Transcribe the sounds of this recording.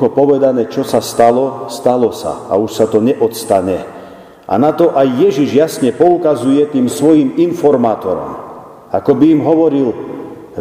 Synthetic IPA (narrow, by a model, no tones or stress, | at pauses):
ɔpɔʋɛd̪anɛːt͡ʃɔsast̪alɔst̪alɔsa̰a̰uʃsat̪ɔɲɛʔɔt̪st̪aɲɛ | ʔa̰nat̪ɔʔajːɛʒiʒjasɲɛpɔukazujɛt̪iːmsʋɔjiminfɔɾmaːt̪ɔɾɔ̰m | akɔbiːmɦɔʋɔɾil